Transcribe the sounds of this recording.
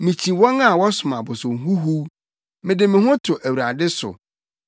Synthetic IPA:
mĩ˨t͡ɕʰĩ˨wɔ̃˦na˨wɔ˦sʊ˨mã˨bʊ˨sʊ̃˨ŋɦu˦ɦu˦ | mɪ̃˨dɪ˨mɪ̃˨hʊ̃˦tʰʊ˨ʔæ˨wu˨ɾa˨dɪ˦sʊ̰˨

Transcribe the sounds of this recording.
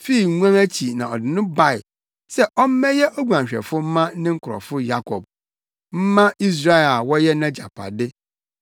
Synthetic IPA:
fi˦˨˦ŋʷ˦ã˦mæ˦t͡ɕʰi˨nã˨ɔ̰˨dɪ˨nʊ̃˦ba˦˨ɪ˨ | sɛ˦ʔɔ˦m̩˦mɛ̃˦jɛ˦ʔɔ˦ɡʷu˨ã˨ɲ˨ɕᶣɛ̰˨fʊ˦m̩˦mã˦nɪ̃˦ŋ̩˦kʰʊ˨ɔ̰˨fʊ˦ja˦kʰɔ˨b̚ | m̩˦mã˦i˦s̬ɾa˦ɛ˨la˨wɔ˦jɛ˦nã˦d͡ʑa˨pʰa̰˨dɪ˦

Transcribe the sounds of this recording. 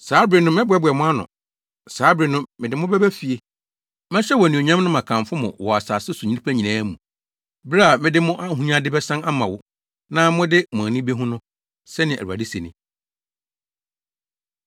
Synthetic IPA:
saː˨˦bɾɪ˨nʊ̃˦mɪ̃˦bʊ˨˦ɛ˦bʊ˨ɛ˨mʊ̃˦a˦nʊ̰̃˨ | saː˨˦bɾi˨nʊ̃ː˦ɪ̃˨dɪ˨mʊ̃˦bɛ˦bæ˦fi˨e˨ | mɛ̃˦ɕᶣɛ˦wɔ˨nĩ˨o˨ɲã˦m˦nʊ̃˦mã˨kʰã˨ɱ˨fʊ˦mʊ̰̃˨wɔ˨a˨saː˨sɪ˦su˨ɲĩ˦i˦pʰæ˦ɲĩ˨nãː˦mṵ̃˨ | ba˦a˨mɪ̃˦dɪ˦mʊ̃˦ʔa˦ɦũ˦ɲã˦dɪ˦bɛ˦sã˦na˦mã˨wʊ˦ | nã˦mʊ̃˦dɪ˦mʊ̃˨a˨nĩ˦be˦ɦũ˦nʊ̃˦ | sɛ˦nɪ̃˨æ̰˨ɾu˨a̰˨dɪ˦se˨nɪ̰̃˨

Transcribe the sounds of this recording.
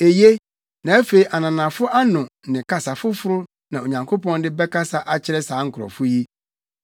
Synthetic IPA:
e˨je˦ | nã˨æ˦fe˨i˨ʔa˨nã˨nã˨fʊ˦ʔa˦nʊ̃˨nɪ̃˨kʰa˨sa˨fʊ˦fʊ˦ɾʊ˦ | nã˨o˨ɲã˨ŋkʰo˦pɔ̃˦n˦dɪ˦bɛ˦kʰa˦sa˨ʔa˨t͡ɕʰɪ˦ɾɛ˦sãː˨˦ŋ̩˨kʰɾɔ̰̃˨fʊ˦ji˦

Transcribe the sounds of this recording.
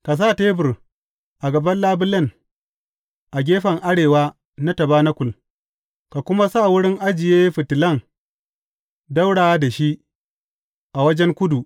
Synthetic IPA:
ka˨s̬a˦˨teː˦bɪ˨r | ʔa˨ɡɐ˨bɐ˦nlaː˦bʊ˦lɐ˦˨n | ʔa˨ɡʲeː˦ɸɐ˨ŋʔa˦ɽeː˨waː˦ | na˦tɐ˨baː˦na˦kʷʊ˨l | ka˨kʷʊ˦ma˦sa˦˨wʊ˦ɽɪ˦ŋʔa˦d͡ʒɪ˨jeː˦ɸɪ˨tɪ˨lɐ˦˨ŋ | da˦wɽaː˨wa˦da˨ʃi˦ʔ | ʔa˨wɐ˦d͡ʒɛ˦ŋkʷʊ˦du˨ʔ

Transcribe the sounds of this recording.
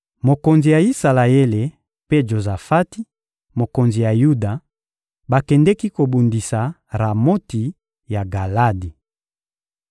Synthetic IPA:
mo˨ko˨nzi˨ja˨i˦sa˨la˨e˦le˨ | pe˦ʒo˨za˨fa˦ti˦ | mo˨ko˨nzi˨ja˨ju˦da˨ | ba˨kɛ˨ndɛ˦ki˦ko˨bu˨ndi˨sa˨ | ʁa˨mo˦ti˨ | ja˨ɡa˨la˦di˨

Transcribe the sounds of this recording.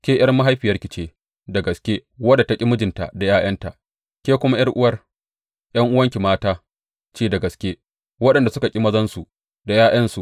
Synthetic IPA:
kʲeː˦ʔɐ˦rma˦ɦa˦jɸɪ˨jɐ˦rkʲɪ˨t͡ʃeː˦ | da˨ɡɐ˨skʲeː˦wɐ˦da˨ta˦kʲʼi˦mʊ˦d͡ʒɪ˨nta˨da˨jaː˦jɐ˦nta˨ | kʲeː˦kʷʊ˦ma˦j̰ɐ˦rʔʊ˦wɐ˦r | j̰ɐ˦ŋʔʊ˦wɐ˦ŋkʲi˨maː˦taː˦ | t͡ʃeː˦˨da˨ɡɐ˨skʲeː˦ | wɐ˦ɗɐ˨nda˨sʊ˦ka˨kʲʼi˦mɐ˦zɐ˦nsu˨ | da˨jaː˦j̰ɐ˦nsu˨ʔ

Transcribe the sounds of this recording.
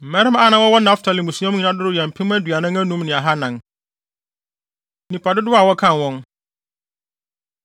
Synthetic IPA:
m̩˨mɛ˦ɾɪ˦m˦a˦nã˨wɔ˦wɔ˦nã˦ftʰa˨lɪ˨mũ˨su˦ã˦ɲĩ˨nã˦dʊ˦ɾʊ˦jɛ˨m̩˨pʰi˦m˦æ˦dɥa˨nã˦ŋæ˦nũ˦m˦nɪ̃˨a˨ɦa˦nã˨ŋ | nĩ˨pʰa˨dʊ˦dʊ˦a˨wɔ˦kʰã˦˨wɔ̃˦ŋ

